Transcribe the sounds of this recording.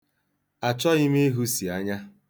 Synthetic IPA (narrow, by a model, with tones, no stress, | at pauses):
a˨t͡ʃɔ˦ɣɪ˦m˦i˦ɦu˦si˨a˦ɲa˦